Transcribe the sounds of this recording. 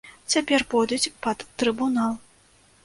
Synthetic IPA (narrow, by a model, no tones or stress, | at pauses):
t͡sʲapʲɛrpɔd̪ʲut͡sʲpɐd̪ːɾɨbunalˠ